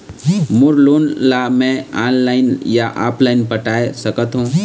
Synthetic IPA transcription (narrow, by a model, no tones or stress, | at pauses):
mʊɾloːnlamɛ̃aːnlaːɪnjaʔa̰ːplaːɪnpəʈaːesɐkət̪ɦũː